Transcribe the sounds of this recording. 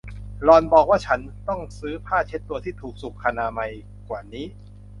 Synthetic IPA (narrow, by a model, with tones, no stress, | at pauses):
lɔː˧nbɔː˨˩k̚waː˥˩t͡ɕʰa˦˥nt̪ɔ˥˩ŋsɯː˦˥pʰaː˥˩t͡ɕʰe˦˥t̪ːu˧ɐt̪ʰiː˥˩t̪ʰuː˨˩k̚su˨˩kʰːa˧naː˧ma˧j | kwaː˨˩niː˦˥